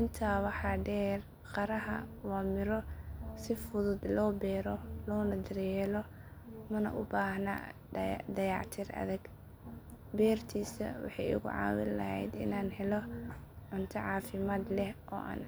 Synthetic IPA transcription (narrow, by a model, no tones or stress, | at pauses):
ʔɪnt̪ʰaːwɑħɑːɖɛːr | qɑɾɐɦɐ̰wɑːmɪɾɔsɪfʊðʊd̪lɔːbɛːɾɔlɔːnɐd̪ɐrjɛːlɔmɐnɐ̰ʔʊbaːhna̰ː | d̪ɐjɑʕt̪ʰirɐ̰ðɐɡ | bɛːrt̪ʰiːsɐ̰wɑ̰ħɑjɪ̰ɣʊ̰ʕɑ̰ːwɪ̰llɐ̰hɛ̰jd̪ɪ̰naːnhɛlɔ | ʕʊnt̪ʰɐʕɑːfɪmaːd̪lɛhʔɔ̰ːʔa̰ːn